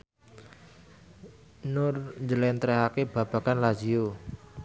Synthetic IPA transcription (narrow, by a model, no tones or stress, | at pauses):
nʊrɲd͡ʒəlɛnt̪ɾɛɦakeb̥ä̤b̥ä̤kanlad͡ʒio